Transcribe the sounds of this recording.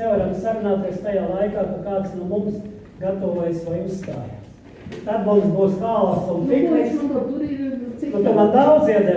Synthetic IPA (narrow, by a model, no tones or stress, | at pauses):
nɛvaɾamsaɾunaːt̪eɛst̪ajaːlˠajkaːkakaːt̪snuɔmums | ɡat̪oʋoːjsʋajusːt̪a̰ːj̰ | t̪ad̪mumsbuːsk̪aːlˠaːsuniknist̪uɾiiuk̪amand̪awd̪ziɛd̪zɛ